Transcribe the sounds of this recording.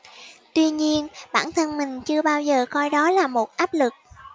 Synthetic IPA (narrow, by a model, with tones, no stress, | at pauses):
t̪wi˧ɲi˧ənɓa̰ː˧˩nt̪ʰə˧nmï˨˩ŋ̟t͡ɕɨ˧əɓaː˧wzəː˨˩kɔ˧jɗɔ˨˦laː˨˩mo˨˩t̚ʔaː˦˥p̚lɨ˨˩k̚